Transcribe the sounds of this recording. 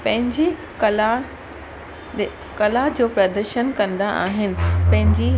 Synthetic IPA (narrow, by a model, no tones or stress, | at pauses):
pɐ̃ɦɪ̃ɲd͡ʑe | l | kɐlad͡ʑoːpɾɐd̪əɾʃənkɐ̃nd̪aʔaːɦɪnɪ̆pɐ̃ɦɪ̃ɲd͡ʑi